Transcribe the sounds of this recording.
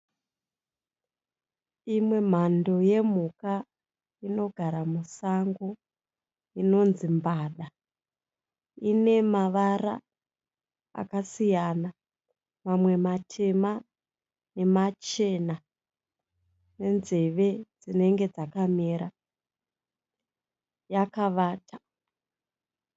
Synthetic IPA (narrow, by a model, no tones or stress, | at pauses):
imwe̞m̤ando̞je̞m̤uka | ino̞ɡʱaɾamusaŋɡo | ino̞nzimbaːɗa | ine̞maʋaɾa̰ | kasijana | mamwe̞matʰe̞ma | ne̞mat͡ʃe̞na | ne̞nze̞ʋe̞d͡zine̞ŋɡe̞d͡zakameɾa | jakaʋaːtʰḁ